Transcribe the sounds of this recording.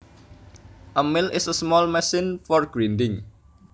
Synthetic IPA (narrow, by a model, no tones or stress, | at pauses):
ʔəmɪlʔɪsəsmɔlmɛsɪnfɔrɡ̥ɾindɪŋ